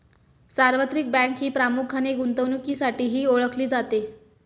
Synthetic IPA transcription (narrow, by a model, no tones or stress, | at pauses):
saɾʋət̪ɾik̚bɛ̃kɦiːpɾamukʰaneɡunt̪əʋnukiːsaʈiːɦiːoɭəkʰliːd͡zat̪e